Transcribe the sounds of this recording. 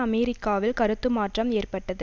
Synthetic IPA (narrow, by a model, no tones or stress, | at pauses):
ɐmɛːɾɪkːaːʋɪlkɐɾɯt̪ːɯmaːʈrɐmeːrpɐʈːɐðɯ